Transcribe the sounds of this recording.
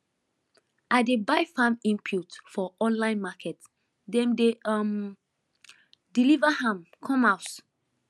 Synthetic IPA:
ʔaɪdebaɪfãmĩmpʰjutfɔʔɔ̃nlãɪ̃nmakʰɛt | dɛ̃mdeam | dilivahãmkʰɔ̃maʊt

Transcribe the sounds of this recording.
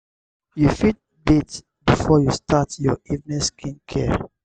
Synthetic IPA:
jufit̚ | bit | bifɔjustʰatjɔivnĩskʰĩnkʰɛ

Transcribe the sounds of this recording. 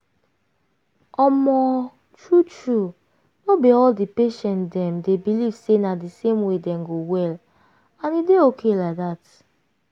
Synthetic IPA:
ɔmɔ | tɹutɹu | nobiɔldipeʃɛ̃ntdɛ̃mdebiliv̥senadisemwedɛ̃mɡowɛl | ãnideokʰelaɪk̚ðat

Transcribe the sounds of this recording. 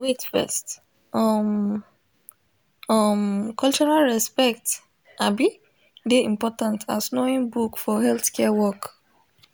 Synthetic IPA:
wetfɛ̰st | ɔm | ɔmkʰɔlt͡ʃɔɹalɹɛspɛk̚t | abi | deĩmpɔtãntʰa̰snoĩŋbukfɔɦɛlθkʰɛwɔk

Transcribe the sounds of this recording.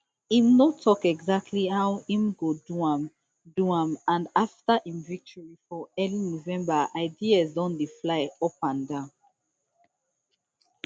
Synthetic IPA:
ĩmnotʰɔkɛɡzak̚tʰlihawĩmɡodum | duãmãndaftaʔĩmvik̚tʰɔɹifɔɛlinovɛ̃mbaʔaɪdiazdɔ̃ndeflaɪɔpãndã

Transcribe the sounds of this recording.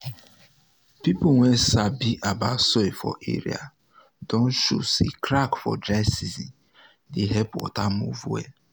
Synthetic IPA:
pipuwɛsabiʔabasɔefɔ̰ʔḛɾḭa̰ | dõnʃṵsḭkɾakfɔ̰dɾasizi | deɦɛpwɔ̰tamṵvwḛ

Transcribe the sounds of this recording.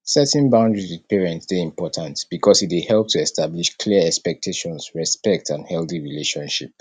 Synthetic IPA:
sɛtɛ̃nbãʊ̃ndɹisiðpɛɹɛ̃ntsdeĩmpʰɔtʰãntb̥ikʰɔsitwehɛlˠp̚tʰuɛstʰabliʃkʰliəɛkspɛk̚tʰeʃɔ̃nsɹɛspɛk̚tʰãnhɛlˠθiɹileʃɔ̃nʃḭp̚

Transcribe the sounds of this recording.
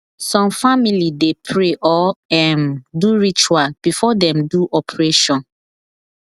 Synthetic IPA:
sɔ̃mfamilidepʰɹeʔɔɛ̃nduɹit͡ʃualb̥ifɔdɛ̃mduʔɔpʰɹeʃɔ̃n

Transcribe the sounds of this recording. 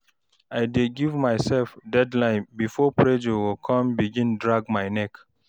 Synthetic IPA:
ajdeɡivmaɪsɛlfdɛdlãɪ̃nbifɔpɹed͡ʒuwikʰɔ̃mbiɡĩndɹaɡmaɪnɛk

